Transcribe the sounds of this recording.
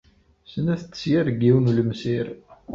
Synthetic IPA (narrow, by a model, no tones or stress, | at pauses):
sənæθt͡s̪ːə̥sjaɾɡiwnuləmsiɾ